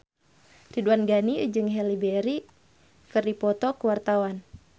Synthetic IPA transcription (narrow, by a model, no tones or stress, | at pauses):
riduanɡanid͡ʒɨŋɦɛlibɛɾi | kɨrdipɔt̪ɔkəwart̪awan